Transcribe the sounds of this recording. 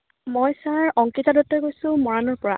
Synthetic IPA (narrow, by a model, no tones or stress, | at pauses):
mojsaɹɔŋkitadɔtːɔɹkojsʊ̃mɔɹanɔɹpɔɹa̰